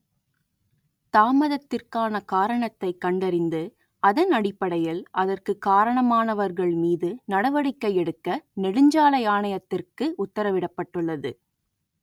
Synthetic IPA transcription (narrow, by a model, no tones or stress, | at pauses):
t̪aːmɐðɐt̪ːɪrkaːnɐkaːɾɐɳɐt̪ːɐɪkːɐɳɖɐɾɪnd̪ɯ | ɐðɐnɐɽɪpːɐɽɐjɪlʔɐðɐrkɯkːaːɾɐɳɐmaːnɐʋɐɾɣɐɭmiːðɯnɐɽɐʋɐɽɪkːɐɪɛɽɯkːɐnɛɽɯɲd͡ʒaːlɐɪaːɳɐjɐt̪ːɪrkɯʔʊt̪ːɐɾɐʋɪɽɐpːɐʈːɯɭːɐðɯ